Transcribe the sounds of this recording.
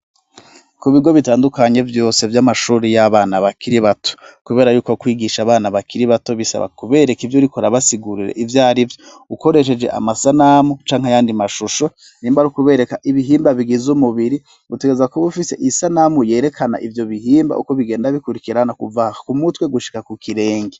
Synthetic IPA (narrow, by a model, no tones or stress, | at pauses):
kuβiɡo̞βitaːndukaɲe̞vjo̞ːse̞vjamaʃuːɾijaβaːnaβakiɾiβato̥kuβe̞ːɾajuːkokwiːɡiʃaːβaːnaβakiɾiβato̞βisa̰βa̰kuβe̞ːɾe̞kivjoɾikoɾaβasiɡuɾiɾḛʔivjaːɾivjo | uko̞ɾe̞ʃ̬e̞d͡ʒe̞̰ʔa̰masanamut͡ʃaːŋhajaːndimaʃuʃo̞ | niːmbaɾukuβe̞ɾe̞kaʔiβiɦiːmbaβiɡizumuβiɾi | βute̞ɡeezakoβufise̞̰ʔisanamuje̞ːɾe̞kʰana̰ʔivjo̞βihiːmba̰ʔṵko̞βiɡe̞ːndaβikuɾikiɾanakuvahakumutwe̞ɡuʃi̥kakukiɾe̞ːŋɡe